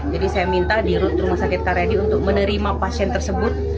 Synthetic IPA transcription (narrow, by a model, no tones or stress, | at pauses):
d͡ʒadisajamint̪adiɾʊt̪ɾumahsakɪt̪̚kaɾadiunt̪ʊk̚mənəɾimapasiɛnt̪ərsəbʊt̪̚